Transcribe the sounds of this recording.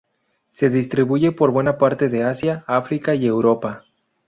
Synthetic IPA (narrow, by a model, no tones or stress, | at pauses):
se̞ðist̪ɾiβuʝe̞po̞ɾβwe̞napaɾt̪e̞ðe̞asjaafɾikaie̞wɾo̞pa